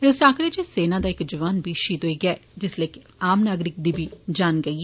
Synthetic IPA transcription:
esaːkɾed͡ʒiseːnad̪aeːkd͡ʒɐʋaːnbʱiʃiːt̪oiɡɛd͡ʒɪsleːk | aːmnaːɡɾɪk̚d̪ibʱid͡ʒaːnɡɐi

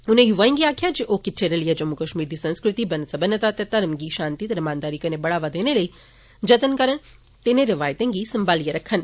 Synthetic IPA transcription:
unẽjuʋaːjĩŋɡiaːkʰjad͡ʒeʔokɪtʰeɾɐlijəd͡ʒɐmːukəʃmiːɾd̪isɐ̃nskɾɪt̪ibɐnəsɐbənət̪aːt̪jɐt̪ːaɾəmɡiʃãːnt̪it̪ɐɾɐmãːnd̪aːɾikənebɐɽaːʋad̪eːneləi | d͡ʒɐt̪ənkəɾəɳ̃ | t̪eneɾɐʋaːjt̪ẽŋɡisɐmbaːlijəɾɐkʰːən

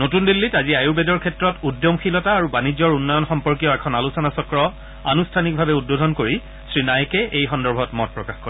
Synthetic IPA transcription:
notundilːitaziajubɛdɔɹkʰɛtɹɔtudjɔmxilɔtaːɹubanid͡ʑɔɹunːɔjɔnxɔmpɔɹk̬ijɔɛkʰɔnalusɔnasɔkɹɔ | a̰nustʰanik̚bʱabɛud̚bodʱɔnkoɹi | sɹinajkɛʔejxɔndɔɹbʱɔtmɔt̚pɹɔkaxkoɹ

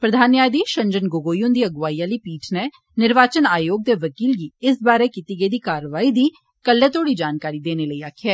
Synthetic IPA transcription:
pɾəd̪ʱaːnːaːd̪iːʃə̃ɲd͡ʒənɡoɡoːjʊ̃nd̪iːəɡʋaːiːãːliːpiːʈʰneː | nɪɾʋaːt͡ʃənaːjoːɡ̚d̪eːʋəkiːlɡiːɪsbaːɾeːkiːt̪iːɡeiːd̪iːkaːɾəʋaːiːd̪iː | kəlːɛːt̪oːɽiːd͡ʒaːnkaːɾiːd̪eːneːləiːaːkʰːɛː

